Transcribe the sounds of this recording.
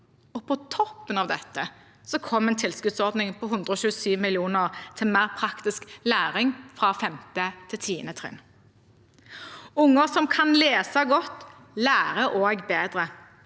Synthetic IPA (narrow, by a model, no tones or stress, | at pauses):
ɔpʰɔt̪ʰɔpːənɑʋd̪ɛt̪ːə | sɔkʰɔmːɛnt̪ʰɪlskʉd̪sɔʁd̪nɪŋpʰɔɦʉnd̪ʁəɔʃʉːəsyːʋmɪlɪuːnəʁt̪ʰɪlmæːʁpʰʁɑkt̪ɪsklæːʁɪŋfʁɑːfɛmt̪ət̪ʰɪlt̪ʰiːə̰nət̪ʰʁɪ̰n | ʊŋːəʁsɔmkʰɑnleːsɑɡɔt̪ː | læːʁəʔoːɡbeːd̪ʁə